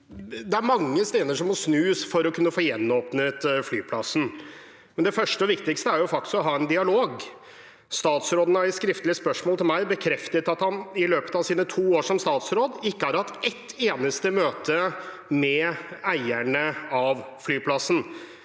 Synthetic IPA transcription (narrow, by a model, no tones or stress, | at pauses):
d̪ɛæɾmɑŋːəst̪eːd̪əʂɔmːɔsnʉːsfɔɾɔkʰʉnːəfoːjɛnːoːpnət̪flyːpʰlɑsn̩ | mɛnd̪ɛfœʂʈəɔʋɪkt̪ɪkst̪əæɾjʊfɑkt̪ɪsɔɦɑːɛnd̪ɪɑloːɡ | st̪ɑːt̪sɾoːd̪nəɑɾɛt̪skɾɪft̪lɪəspœʂmoɔːlt̪ʰɪlmæɪbəkʰɾɛft̪ət̪ɑt̪hɑnɪløːpə̥t̪ɑʋsiːnət̪ʰuːoːʂɔmst̪ɑːt̪sɾoːd̪ɪkːəhæːɾhɑt̪ɛt̪ːeːnəst̪əmøːt̪ʰə | mɛæɪæɳəɑʋflyːpʰlɑsn̩